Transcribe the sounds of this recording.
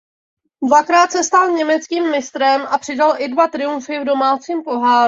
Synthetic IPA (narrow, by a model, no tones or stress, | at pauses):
dvakɾaːt̪sɛst̪alɲɛmɛt͡skiːmːɪst̪ɾɛmʔapr̝̥ɪdalʔɪdvat̪ɾɪuɱfɪvdo̞maːt͡siːmpo̞ɦaːɾ